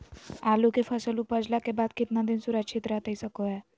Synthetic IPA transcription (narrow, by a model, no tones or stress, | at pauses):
alukefəsəlupəd͡zlakebad̪kit̪nad̪insuɾat͡ɕʰit̪ɾat̪əisəkoɛ